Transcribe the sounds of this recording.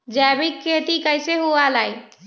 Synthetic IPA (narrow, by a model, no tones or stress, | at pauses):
d͡ʒɛbikːeʈ̪ikəjseɦualajt̪